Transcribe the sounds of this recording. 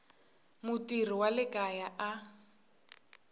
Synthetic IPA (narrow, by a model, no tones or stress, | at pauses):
mʊtir̤iwalɪkʼajaʔa